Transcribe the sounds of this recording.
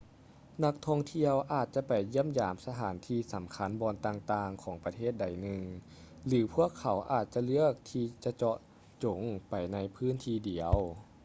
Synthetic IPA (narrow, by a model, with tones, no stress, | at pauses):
na˧˥k̚t̪ʰɔ˧ŋt̪ʰi˧əwʔaː˨˩t̪̚t͡ɕa˧˦pa˨˩jːɯ˥˨əmjaː˨˦msa˧t̪ʰaː˩˦nt̪ʰiː˧sa˨˩˦mkʰa˧˥˨nbɔː˧nt̪aː˧ŋt̪aː˧ŋkʰɔː˩˦ŋpa˧t̪ʰeː˥˩t̪̚da˨˩jnɯ˨˧ŋ | lɯː˩˦pʰu˥˩əkʰːa˨˦wʔa̰ː˨˩t̪̚t͡ɕa˧lɯ˥˩ək̚t̪ʰiː˧t͡ɕa˧t͡ɕɔ˧ʔ | t͡ɕo˨˩˦ŋpa˨˩jna˧jpʰɯː˧˥˨nt̪ʰiː˧di˨˩˦əw